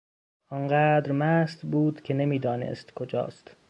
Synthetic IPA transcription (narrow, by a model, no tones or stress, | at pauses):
ʔɒɴɢæːd̪ɾmæːsd̪buːd̪̥cʲʰenemiːd̪ɒːnḛst̪kʰod͡ʒɒ̰ːst̪